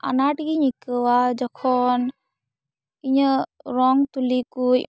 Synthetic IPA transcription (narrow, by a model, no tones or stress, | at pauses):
a̰naʈkiɲikɯwad͡ʒɔkʰɔn | iɲəɾɔŋt̪ulikuj